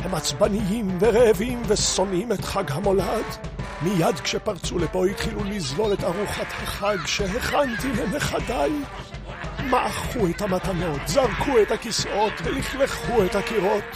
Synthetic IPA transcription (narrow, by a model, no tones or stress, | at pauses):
hamat͡sbanijimveʁeevimveso̞nimet̪χaɡɦamo̞lad̪ | mijad̪kʃepaʁt͡sulepo̞hit̪χilulizlo̞let̪aʁuχat̪haχaɡʃeɦeχant̪imeneχadaj | maʔaχuet̪hamatano̞t̪zaʁkʰuethakisʔo̞t̪veliχleχuet̪hakiʁo̞t̪